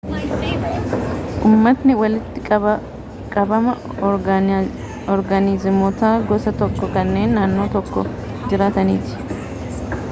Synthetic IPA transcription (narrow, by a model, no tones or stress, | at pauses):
ʔuːmːɐt̪nɪwɐlɪt̪ːɪ | kʼɐbɐmɐ | ɔɾɡɐniːzɪmɔt̪aːɡɔsɐt̪ɔkːɔkɐnːe̞ːnːaːnːo̞ːt̪ɔkːɔ̰ | d͡ʒɪɾaːt̪ɐnḭːt̪ɪ̥